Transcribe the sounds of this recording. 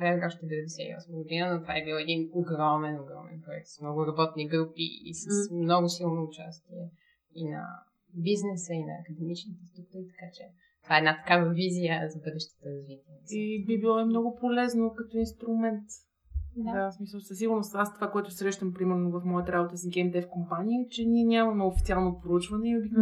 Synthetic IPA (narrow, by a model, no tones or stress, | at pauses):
ɛɡɔʃt̪ɛɛbɛvɛd̪ɛsɛḭɔ̰sməɡod̪inənot̪ovaɛbilˠɛd̪inoɡɾɔmɛnoɡɾɔmɛ̰npɾoʊɛkt̪smnɔɡʊɾɐbɔt̪niɡɾupḭḭsəsmnɔɡʊsilˠnoʊt͡ʃast̪iɛ | inɐ̰ | biznɛsəinɐːkəd̪ɛmit͡ʃnit̪ɛst̪ɾuk̚t̪uɾit̪ɐ̥kat͡ʃɛ | t̪ovaɛd̪nat̪ɐ̥kavəvizijəzɐbɤd̪ɛʃt̪ə̥t̪əɾɐzvit̪iɛibibilˠɔɛmnɔɡʊpolɛznokɐt̪ɔinst̪ɾʊmɛnt̪ | d̪asmisəlˠsɐsːiɡʊɾnost̪ast̪ovakoɛt̪ʊsɾɛʃt̪əmpɾimɛɾnovɐfmɔjət̪əɾabot̪əsiɡʲɛmd̪ɛfkompanijət͡ʃɛnʲiɛnʲamɐmɛofit̪sialˠnopɾout͡ʃvənɛiobi